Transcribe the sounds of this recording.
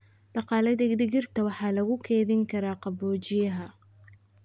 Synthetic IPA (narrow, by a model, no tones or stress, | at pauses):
d̪̥ɑqɑːlɐd̪ɐɡd̪ɪɣɪrt̪ʰɐwɑħɑːlɐɣʊkʰɛːðɪŋkʰɐɾaːqɑbɔːt͡ʃɪjɐɦɐ